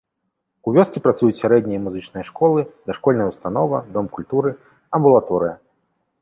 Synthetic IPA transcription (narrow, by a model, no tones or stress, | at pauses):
uvʲɔst̪sʲipɾat̪sujut͡sʲsʲaɾɛd̪ʲnʲijɐmuzɨt͡ʂnɨjɐʂkɔlˠɨd̪ɐʂkɔlʲnɐjɐwst̪anɔvɐd̪ɔmkulʲt̪uɾɨ | ɐmbulˠat̪ɔɾɨjɐ